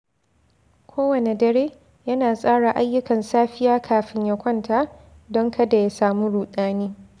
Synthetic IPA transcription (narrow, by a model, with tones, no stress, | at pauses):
kʷʰoː˦wɐ˨ne˨dɐ˦ɽeː˦ | jɐ˦naː˨sʼaː˦ɽa˨ʔa˦jːʊ˦kɐ˨nsaː˦ɸɪ˦jaː˦kʰaː˨ɸɪ˦ɲjɐ˨kʷɐ˦ntʰaː˦ | dɔ˦ŋkɐ˦da˨ja˦saː˨mu˦ɽuː˨ɗaː˦niː˦